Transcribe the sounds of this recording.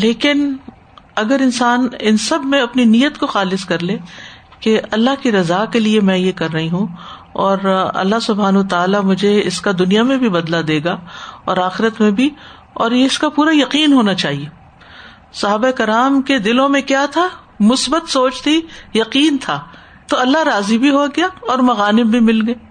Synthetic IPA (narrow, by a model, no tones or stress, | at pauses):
leːkɪn | ɐɡəɾɪnsaːnɪnsɐbʱmẽɐpninijət̪koxaːlɪskɐɾleː | keʔɐlːaɦkiɾɐzaːkeliemɛ̃jekɐɾːɐɦiɦũ | ɔːɾɐ̰lːaɦsʊbʱaːnɐwət̪aːlamʊd͡ʒʱeɪskad̪ʊnijamẽbʱibɐd̪lad̪eːɡaɔ̰ːɾaːxɪɾət̪mẽbʱi | ɔːɾjeɪskapuːɾajɐqiːnɦoːnat͡ʃaːɦie | sɐɦaːbaekɐɾaːmked̪ɪlõmẽkjaːt̪ʰa | mʊsbət̪soːt͡ʃt̪ʰijɐqiːnt̪ʰaː | t̪oɐlːaɾaːzibʱiɦoɡɐɪjaɔːɾmɐɣaːnɪbbʱimɪlɡɐeː